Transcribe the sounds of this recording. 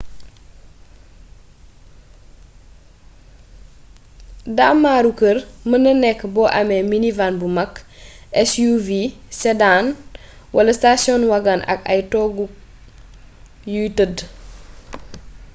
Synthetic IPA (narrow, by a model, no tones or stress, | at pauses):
damːaɾukəɾmənənɛkːbɔːʔamɛminivanbumakːʔɛsjuvisɛdan | wɐlɐstasjɔnwaɡanɐ̰ka̰jtɔɡu | jutəd